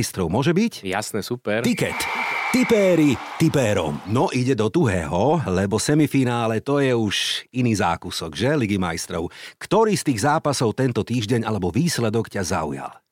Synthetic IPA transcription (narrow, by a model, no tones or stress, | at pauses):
jst̪ɾɔʊmɔʒɛbicja̰snɛsupɛɾt̪ikɛ̰t̪ːipɛːɾit̪ipɛːɾɔ̰mnɔʔiɟɛd̪ɔd̪uɦɛ̰ːɦɔlɛbɔsɛmifinaːlɛt̪ɔjɛuʃiniːza̰ːkusɔɡʒɛliɡima̰jst̪ɾɔʊkt̪ɔɾiːst̪iːɣzaːpasɔʊt̪ɛnt̪ɔt̪iːʒɟɛɲalɛbɔʋiːslɛd̪ɔkcaza̰ṵja̰l